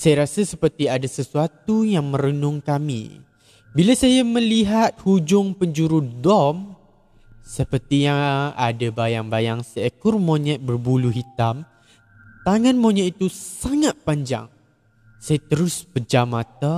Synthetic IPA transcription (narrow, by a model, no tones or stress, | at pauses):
sajaɾasasəpərt̪iadasəsuat̪ujaŋmə̃ɾənʊŋkamḭ | bilasajaməliɦat̪̚hud͡ʒʊŋpəɲd͡ʒuɾudɔm | səpərt̪ijaadabajaŋbajaŋsəɛkʊrmoɲɛʔ̚bərbuluɦit̪am | t̪aŋãnmoɲɛʔit̪usaŋat̪̚paɲd͡ʒa̰ŋ | sajat̪əɾʊspəd͡ʒamat̪a